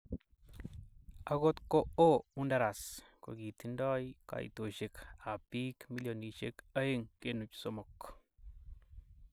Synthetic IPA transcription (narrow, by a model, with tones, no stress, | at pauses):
a˧ɣo˦t̪ko˦o˦u˦nda˧ɾa˨sko̰˨ɡi˨t̪i˧˦ndɔ˦jka̰˨ḭ˨t̪o˨ʃe˧ka˨pi˦kmi˦ljo˨ni˨ʃḛ˦ka˦e˦ŋke˦nu˨t͡ʃso˨mo˨k